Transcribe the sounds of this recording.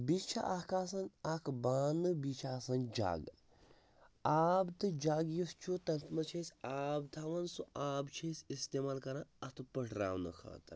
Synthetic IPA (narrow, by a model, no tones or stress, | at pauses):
bit͡ʃʰa̰ʔaːkaːsɐnakʰbaːnɨbit͡ʃʰaːsɐnd͡ʒa̰ːɡ | aːbt̪ɨd͡ʒaːɡjust͡ʃʰut̪ɐnt̪ʰmɐt͡ʃʰesʲaːb̚t̪ʰaːʋɐnsuaːbt͡ʃʰesʲist̪eːmaːlkɐɾãːɐt̪ʰpəʈʰɾa̰ːwnɐ̰kʰa̰ːt̪ɐɾ